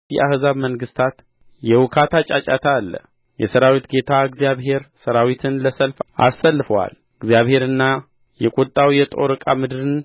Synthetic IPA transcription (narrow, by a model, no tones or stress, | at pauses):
ḭʔahzaβməŋɡɨst̪ʰat̪ | jɛwʊkʰat̪ʰat͡ʃʼat͡ʃʼat̪ʰalːə̰ | jɛsəɾawit̪ɡe̞t̪ʰaɨɡzijaβɦe̞ɾsəɾawit̪ʰɨnləsəlfʔa̰sːəlːɨfəwa̰l | ɨɡzijaβhe̞ɾɨnːa | jɛkʼot̪ʼːawjɛt̪ʼo̰ɾɨkʼamɨd̪ɨɾɨn